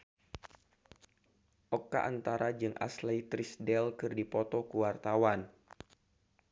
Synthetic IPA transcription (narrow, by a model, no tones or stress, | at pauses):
ʔɔkːa̰ʔant̪aɾad͡ʒɨŋʔa̰slajt̪ɾisdɛlkɨrdipɔt̪ɔkuwart̪awan